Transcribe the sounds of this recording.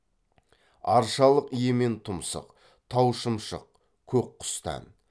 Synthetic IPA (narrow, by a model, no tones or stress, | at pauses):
ɑɾʃɑlˠəqije̞me̞nt̪ʰʊmsə̰q | t̪ʰɑwʃəmʃə̰q̚ | kʲʰɵkqʰːʊ̥st̪ɑ̰n